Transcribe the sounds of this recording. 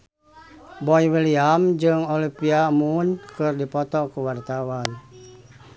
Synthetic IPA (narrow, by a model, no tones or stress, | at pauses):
bɔjwiliamd͡ʒɨŋolipiamunkɨrdipɔt̪ɔkəwart̪awan